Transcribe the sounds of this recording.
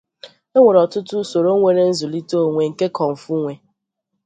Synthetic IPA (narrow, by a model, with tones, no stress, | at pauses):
e˦ŋʷe˨ɾɔ˨tʊ˦tʊ˦so˨ɾo˦ŋʷe˨ɾe˦n̩˦zʊ˨li˦to˦˨ŋʷe˨ŋ̩˨ke˦kɔ˨m̩˨fu˦ŋʷe˨